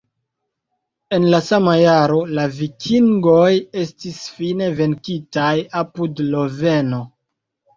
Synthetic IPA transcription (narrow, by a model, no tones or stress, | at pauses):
e̞nlasamajaɾo̞lavikʰiŋɡo̞je̞stisfine̞ve̞nkitajapudlo̞ve̞no̞